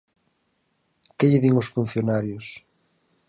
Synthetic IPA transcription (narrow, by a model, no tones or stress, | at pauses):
kɪʎɪðiŋʊsfun̟θjonaɾjʊs